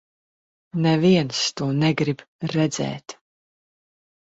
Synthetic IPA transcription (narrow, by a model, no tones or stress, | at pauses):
nɛviɛnst̪uɔnɛɡɾib | ɾɛd̪zɛ̰ːt̪